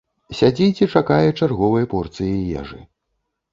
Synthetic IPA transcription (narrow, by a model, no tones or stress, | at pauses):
sʲad͡zʲit͡sʲɛt͡ʂakajɛt͡ʂarɣɔvɐjɐpɔrt̪sɨjɛja̰ʐɨ̰